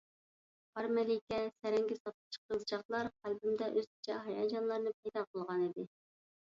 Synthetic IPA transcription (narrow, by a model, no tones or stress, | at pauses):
ɑɾmɛlɪkʲɛsɛɾɛŋɡʲɛsɑt̪̚ə̥t͡ʃʰə̥qəzd͡ʒɑχlˠɑɾχælbymd̪ɛʔøz̥kʲʰi̥t͡ʃʰɛɦɑjɑd͡ʒɑnlˠɑɾnɨpʰɛjd̪ɑqʰəlˠʁɑnid̪ɪ